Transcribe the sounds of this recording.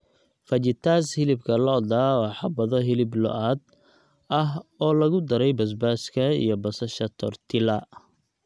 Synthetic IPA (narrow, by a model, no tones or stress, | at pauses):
fɐt͡ʃɪt̪ʰaːshɪlɪbkʰɐlɔːd̪aːwɑːħɑbɐðɔɦɪlɪblɔ̰ʔaːd̪ | ɐɦɔːlɐɣʊd̪ɐɾɛjbɐs̬baːskʰɐḭjɞbɐsɐʃɐt̪ʰɔ̰rt̪ʰɪlɐ